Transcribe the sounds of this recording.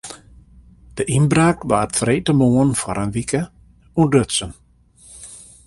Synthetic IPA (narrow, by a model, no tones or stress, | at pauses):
d̥əʔinbraːkʋaːrtfreːtəmoənfɔɾʔənʋikə | udøtsən